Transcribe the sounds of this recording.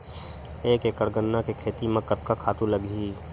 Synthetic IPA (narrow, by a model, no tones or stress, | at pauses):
eːkekəɾɡənːakekʰeːt̪imɐ̃kːət̪̚kakʰaːt̪ũləɡiː